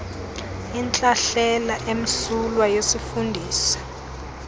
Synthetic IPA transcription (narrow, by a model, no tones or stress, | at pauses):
int͡ɬʼaɬɛlaʔem̩sulwajosifundʱiːsḁ